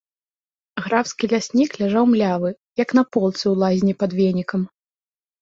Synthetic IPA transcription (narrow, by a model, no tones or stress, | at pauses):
ɣɾawskʲilʲasʲnʲiklʲaʐawmlʲavɨ | jɐknɐpɔlˠt̪sɨwlˠazʲnʲipɐd̪vʲenʲikɐm